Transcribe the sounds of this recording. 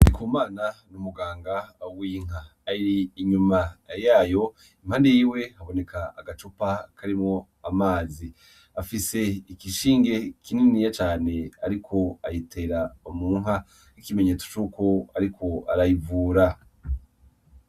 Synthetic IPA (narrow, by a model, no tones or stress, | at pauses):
dikumaːnanumuɡaːŋɡawiŋ̥a | aiɾiːɲumajaːjo̞ | im̥haːnde̞jiːwe̞haβo̞ne̞kʰa̰ːɡat͡ʃopakʰaɾimŋo̞ | amaːzi | afise̞ikiʃiːŋɡe̞kʰininijat͡ʃaːne̞aɾikʰo̞ajitʰe̞ɾaomuːŋɦa | ikimeɲe̞ːt͡su̥t͡ʃuko̞aɾikʰo̞a̰ɾajivuːɾa